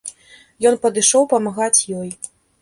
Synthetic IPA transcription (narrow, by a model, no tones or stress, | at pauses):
jɔnpɐd̪ɨʂɔwpɐmaɣat͡sʲjɔj